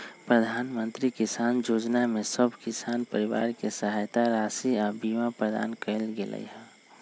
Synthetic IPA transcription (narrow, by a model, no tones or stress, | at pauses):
pɾəd̪ʱaːnmənt̪ɾikisaːnd͡ʒoːd͡ʒnamesəbʱkɪsaːnpəɾiʋa̰ːɾkesəɦajt̪aɾasiabimapɾəd̪a̰ːnkəɪlɡelə̰jɦɛ̃